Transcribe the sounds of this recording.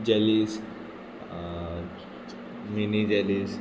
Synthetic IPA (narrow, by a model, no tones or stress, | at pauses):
d͡ʑalis | minid͡ʑɛlis